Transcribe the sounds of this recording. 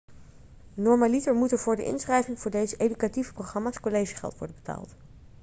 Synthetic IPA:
nɔɹmalitəɹmutəvʊːɹdə̰ʔɪ̰nsχrɛjvɪŋvʊːɹdejzəʔejdykativəprowχrɑmaːskolejʒiχɛ̰lˠtʋɔ̰ɹdəbəta̰ːlˠt

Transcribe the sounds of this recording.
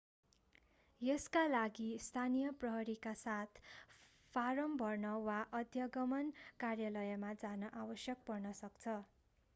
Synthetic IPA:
jʌskalaɡist̪ʰanijʌprʌɦʌɾikasat̪ʰ | pʰaɾʌmbʱʌrnʌwaʔʌd̪ʱjʌɡʌmʌnkarjalʌjʌmad͡zanʌʔawʌsjʌk̚pʌrnʌsʌkt͡sʰʌ

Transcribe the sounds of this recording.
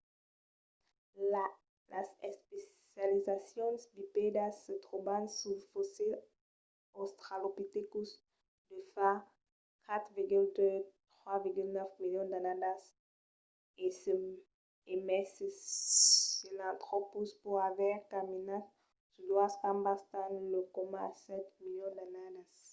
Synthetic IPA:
lasɛspes | jalizasjɔ̃nsbiped̪asət̪ʁobãnsulfosil | ost̪χalopit̪ekus | d̪əfa | kʰat̪χviʁɡyld̪øt̪χwaviʁɡylnœfmiljɔ̃nd̪anad̪as | esə | emɛs | elãnt̪χopuspuʁavɛʁkaminat | sud̪wastãmbast̪ãnləkomãsɛt̪miljɔ̃d̪anad̪as

